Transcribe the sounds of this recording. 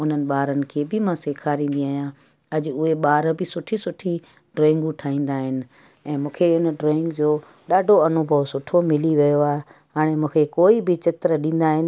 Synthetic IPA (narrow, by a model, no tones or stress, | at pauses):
ʊn̤ənɪ̆ɓaːɾənɪ̆kʰeːbɪmãseːkʰaːɾĩːn̆d̪iaːɦjã | ɐd͡ʑʊʊɦeɓaːɾbɪsʊʈʰisʊʈʰi | ɖɾoːɪ̃ŋɡũʈʰaːĩːnd̪aːɦɪnɪ̆ | ɛ̃ːmũːkʰeʊnəɖɾoːɪ̃ŋɡd͡ʑoː | ɗaːɖʱoɐnʊbʱəʋsʊʈʰomɪliʋijoaːɦeɦaːɽ̃emũːkʰekoːibɪt͡ɕɪt̪ɾəɗĩːn̆d̪aːɦɪnɪ̆